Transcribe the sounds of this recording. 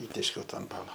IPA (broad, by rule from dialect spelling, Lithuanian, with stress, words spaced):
ˈiːtʲeːʃʲkʲɛʊ ˈtɑː ɐnˈtɑːnɐ